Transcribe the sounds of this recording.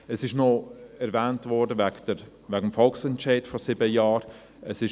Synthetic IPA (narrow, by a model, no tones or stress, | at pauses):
əsɪʃnɔɛɾvɛːntvɔɾdəvɛɡdə | væɡəmfɔlksɛntt͡ʃaɪdfɔsɪbəjɑːɾ | əsɪʃ